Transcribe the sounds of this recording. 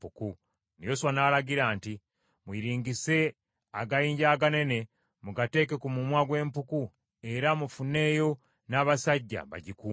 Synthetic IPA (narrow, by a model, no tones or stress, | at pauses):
puku | nijoswanaːɾaɟiɾaːnti | mwiɾiːŋɡise̞ | aɡajiːɲɟaːɡane̞ne̞ | muɡate̞ːke̞kumumwaɡwe̞ːmpuku | e̞ɾamufune̞ːjo̞ | naːβasaɟːa̰βa̰ɟikuː